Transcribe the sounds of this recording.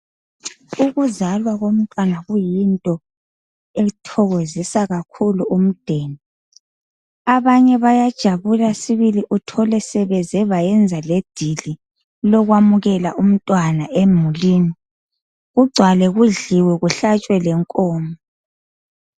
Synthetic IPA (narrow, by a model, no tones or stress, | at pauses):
uɣuzalwaɣom̩tʼwanaɣujintʼɔ | etʰɔɣozisaɣakʰuluʔum̩d̥ʱeːni | aβaɲɛβajad̥ʒ̥ʱaβulasiβiliʔutʰɔlɛsɛβɛzɛβajɛnd͡zʱaled̥ʱili | lɔɣwamuɣɛlaʔum̩tʼwanaʔemuliːni | ɣuɡ͡ǀʱwalɛɣuɮiwɛɣuɬat͡ʃʼwɛlɛŋkʼɔːmɔ